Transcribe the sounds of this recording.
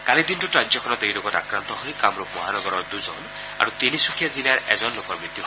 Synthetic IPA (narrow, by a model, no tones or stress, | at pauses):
kalit̪inʈuʈɾad͡ʒɔkʰɔnɔt̪eɦilokɔta̰kɾant̪ɔɦojkamɾup̚mɔɦanɔɡɔɾɔɾd̪uzɔn | a̰ɾut̪inisukʰjad͡ʒilaɾḛzɔnlokɔɾbɾit̪jiɦ